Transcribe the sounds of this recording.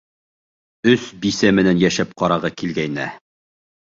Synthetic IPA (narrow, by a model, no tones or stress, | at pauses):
ɵsbisæmɘ̆nænjæʃæp̚qɑɾɑʁɤkilɡæjnæ̰